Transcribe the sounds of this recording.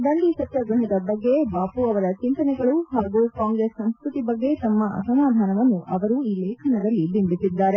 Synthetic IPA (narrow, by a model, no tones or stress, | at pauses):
d̪ɐɳɖiʃɐt̪jɐɡɾɐɦɐd̪ɐbɐɡːebaːpuɐʋɐɾɐt͡ʃint̪ɐnɛɡɐɭuɦaːɡukaːŋɡɾeːsːɐ̃mskɾut̪ibɐɡːe̞t̪ɐmːɐʔɐ̰sɐmaːd̪ʱaːnɐʋɐnːuʔɐʋɐɾuiːlɛːkʰɐnɐd̪ɐlːibinb̪isid̪ːaːɾe